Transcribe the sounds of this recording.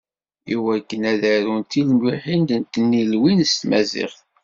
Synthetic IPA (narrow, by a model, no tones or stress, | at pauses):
jiwækːənæðæɾunt̪ilmwiħind̪ənt̪ːənːilwinst̪mæzɪ̰χθ